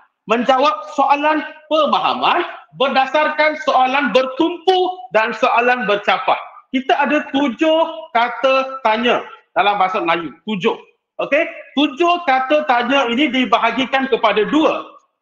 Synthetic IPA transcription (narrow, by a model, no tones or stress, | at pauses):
mə̃ɲd͡ʒawap̚soʔalanpəmaɦa̰mãnbərdasarkansoʔalanbərt̪umpudansoʔalanbərt͡ʃapa̰hkit̪aadat̪ud͡ʒʊhkat̪ət̪aɲə̃dalampasat̪̚lajut̪ud͡ʒʊh | ʔoket̪ud͡ʒʊhkat̪ət̪aɲə̃inĩdibaɦaɡikankəpadaduə